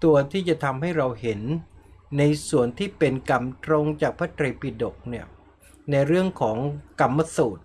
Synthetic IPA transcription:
t̪u˧ɐt̪ʰiː˥˩t͡ɕa˨˩t̪ʰa˧mɦa˥˩jɾa˧wɦe˩˦nː | a˧jsu˨˩ənt̪ʰiː˥˩pe˧nka˨˩mt̪ɾo˧ŋt͡ɕaː˨˩k̚pʰaː˦˥˩t̪ɾeː˧pi˨˧˩do˨˩k̚ni˥˩ə | na˧jɾɯ˥˩əŋkʰɔː˩˦ŋka˧mːa˧suː˨˩t̪̚

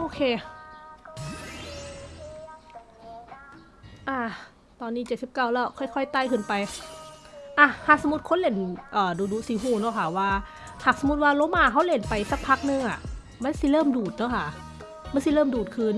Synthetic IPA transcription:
ʔoː˧kʰeː˧ | ʔa˧˩ | t̪ɔː˧nːiː˧˥˩t͡ɕe˨˩t̪̚si˨˩p̚kaː˧˩wlɛː˧˥˩wkʰɔ˧˩˨jkʰɔ˧˥˩jt̪aː˧˩jkʰɯː˧˩˨npa˧j | ʔa˧˩haː˨˩k̚sa˧˦mu˧t̪̚kʰo˧˥˨le˧˥˩nʔɤː˨˩duː˧duː˧siː˨˧˦ɦuː˧˩nɔ˧˩˨kʰa˧˩waː˧ | haː˨˩k̚sa˧mu˧˥t̪̚waː˧loː˧˦˨maː˧˩ɦa˧˥wle˧˩npa˧jsa˧˥˩k̚pʰa˦˧˥k̚nɯ˧˨ŋʔa˨˩ | ma˧˥˨nsi˧˦lɤː˧˥˨mduː˨˩t̪̚nɔ˧˥˩kʰa˧˩ | ma˧˥n˨si˧˦lɤː˥˩˨mduː˨˩t̪̚kʰɯː˧n

